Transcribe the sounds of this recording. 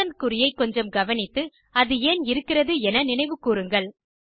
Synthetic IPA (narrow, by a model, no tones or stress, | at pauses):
ɐnkʊɾɪjɐɪkːɔɲd͡ʒɐmɡɐʋɐnɪt̪ːɯ | ɐðɯeːnɪɾɯkːɪrɐðɯɛnɐnɪnɐɪʋɯkːuːɾɯŋɡɐɭ